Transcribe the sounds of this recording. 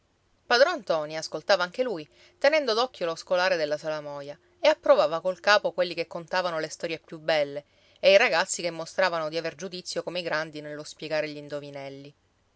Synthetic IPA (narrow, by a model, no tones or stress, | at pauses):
pad̪ɾont̪ɔːniaskolt̪aːvaaŋkeluj | t̪enɛnd̪od̪ɔkːjoloskolaːɾed̪elːasalamɔːja | eapːɾovaːvakolkaːpokwelːikekːont̪aːvanolest̪ɔːɾjepjubɛlːe | eiɾaɡat̪sːikemːost̪ɾaːvanod̪iaverd͡ʒud̪it̪sːjokomeiɡɾand̪inelːospjeɡaːɾeʎind̪ovinɛlːi